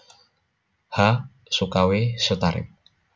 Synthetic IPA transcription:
ha | sukawesət̪aɾɪ̰p̚

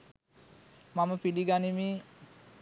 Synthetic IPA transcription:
maməpiliɡanimi

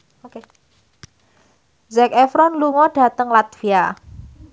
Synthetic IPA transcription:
ok | zɛkɛfɾɔnluŋɔɖ̥a̤t̪əŋlat̪̚fia

